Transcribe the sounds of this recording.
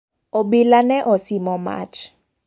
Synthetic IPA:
obilanɛʔɔsimɔma̰t͡ʃ

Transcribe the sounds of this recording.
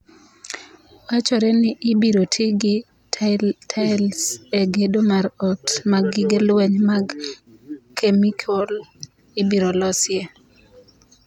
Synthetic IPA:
wat͡ʃɔɾɛnɪʔɪbiɾotʰɪɡɪ | ttʰalseɡedomaɾɔtmaɡɪɡelwɛɲmaɡ | kemikʰɔl | ɪbiɾolɔsje

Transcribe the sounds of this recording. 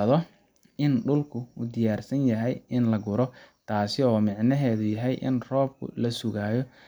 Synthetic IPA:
ɐðɔ | ɪnɖʊlkʰʊuːd̪ɪjaːrsɐnjɐɦɛjɪnlɐɡʊɾɔt̪ʰaːsɪɔːmɪʕnɐɦɛːðʊjɐɦɛjʔɪ̰nrɔːb̚kʰʊ̰lɐsʊɣaːjɔ

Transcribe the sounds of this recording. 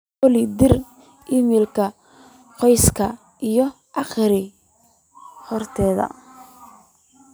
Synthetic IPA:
ɔlɪd̪ɪr | ʔɪmɪlkʰɐ | qɔjskʰɐ | ʔijɔ | ʔɑχɾɪ | hɔrt̪ʰɛːðɐ̰

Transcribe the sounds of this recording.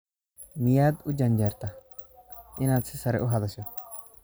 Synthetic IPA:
mɪjaːd̪ʊd͡ʒɐnd͡ʒɛɾt̪ɐ | ʔɪnaːt͡sːɪsɐɾɛ̰ʔʊɦɐd̪ɐsɔ

